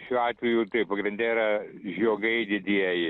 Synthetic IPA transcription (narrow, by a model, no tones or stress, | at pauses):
ʃʲuːɑːt̪ʲʋʲɛjut̪ɐɪppɐɡɾʲɪnʲd̪ʲɛɾɐʒʲoːɡɐɪd̪ʲɪd̪ʲiɛjɪ